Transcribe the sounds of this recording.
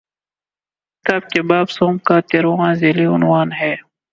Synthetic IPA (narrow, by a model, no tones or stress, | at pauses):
t̪aːb̚kebaːbsoːmkaːt̪eːɾoãːzeːliʊnwaːnɦɛː